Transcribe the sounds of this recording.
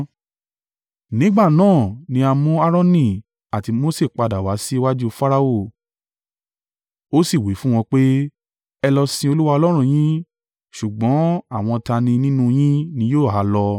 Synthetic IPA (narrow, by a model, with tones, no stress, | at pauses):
nĩ˦ɡ͡ba˦˨nãː˦˨nĩ˧˦a˧mũ˦a˦ɾɔ̃˦nĩ˦˨ | a˨ti˧mo˦se˦˨k͡pa˧da˨wa˨˦si˦wa˦d͡ʒu˦˧fa˦ɾa˧o˦˨ | o˦si˦˨wi˨˦fũ˦w̃ɔ̃˧k͡pe˦ | ɛ˧lɔ˧sĩ˧o˧lu˦wa˧ɔ˧lɔ˦ɾ̃ũ˧j̃ĩ˦ | ʃu˨ɡ͡bɔ̃˨˦a˦˨w̃ɔ̃˧ta˧nĩ˧nĩ˦nũ˦j̃ĩ˦nĩ˧˦joː˦˨ɦa˨˦lɔ˧